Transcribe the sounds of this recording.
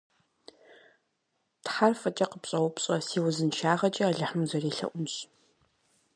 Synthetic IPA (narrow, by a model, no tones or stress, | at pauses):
tħarfɐt͡ʃʼɐqəpɕʼɐwʊpɕʼɐsiːwʊzɨnʃaːʁɐt͡ʃʼɐɐɮɐħmzɐreːɬɐ̰ʔʷʊmɕ